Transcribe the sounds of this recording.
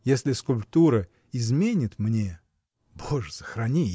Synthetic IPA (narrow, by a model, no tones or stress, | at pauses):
jesʲlʲɪskʊlʲp̚t̪uɾə | ɪzmʲenʲɪt̪mnʲe | boʐsə̥xɾɐnʲi